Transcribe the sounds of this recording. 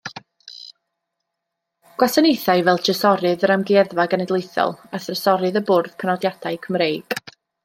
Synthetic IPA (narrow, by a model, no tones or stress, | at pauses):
ɡ̥wasanejθaɨvɛlˠdʰəsɔɾɨðəɾamɡɪɛðvaɡənɛdlˠejθɔ̰lˠaθrəsɔɾɨðəbʊrð̥kʰənɔdjad̥ajkʰəmrejɡ̥